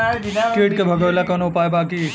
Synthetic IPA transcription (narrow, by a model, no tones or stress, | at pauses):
keːʈ̚kebʱəɡəlakɐnoʊpajbaːki